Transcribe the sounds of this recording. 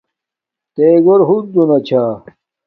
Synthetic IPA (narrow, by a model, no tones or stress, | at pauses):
t̪eːɡoɾɦud̪unɐt͡ɕʰaː